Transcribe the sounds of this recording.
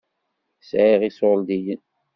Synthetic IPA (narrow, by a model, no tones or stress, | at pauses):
sʕiʁisold̪ijən